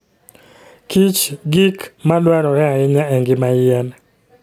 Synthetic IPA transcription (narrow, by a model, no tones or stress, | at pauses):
kit͡ʃɡikmalwaɾɔɾɛaɪɲaɛŋɡɪmajɪɛn